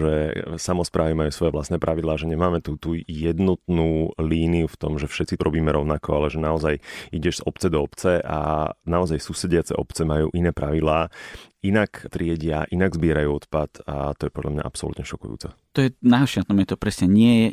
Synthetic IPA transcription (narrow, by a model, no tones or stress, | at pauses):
ʒɛsamɔspɾʔaːʋimajuːsʋɔjɛʋlast̪nɛːpɾʔaʋid̪lˠaːʒɛɲɛmaːmɛt̪ut̪uːjɛd̪nɔt̪nuːliːniuft̪ɔmʒɛfʃɛt͡sitɾʔɔbiːmɛɾɔʊnakɔalɛʒɛnaɔzajiɟɛʒz̥ɔpt͡sɛd̪ɔɔpt͡sɛʔa̰naɔzajsuːsɛɟɪat͡sɛ̰ʔɔpt͡sɛmajṵːʔinɛːpɾaʋid̪laːinakt̪ɾɪɛɟɪaʔinaɡzbɪɛɾajuːɔt̪pat̪ʰa̰t̪ɔjɛpɔd̪lʎa̰mɲa̰ʔa̰psɔlṵt̪ɲɛʃɔkṵjṵːt͡sɛt̪ɔjɛnaːɦɔʃɪat̪nɔmɛt̪ɔpɾɛsɲɛɲɪɛjɛ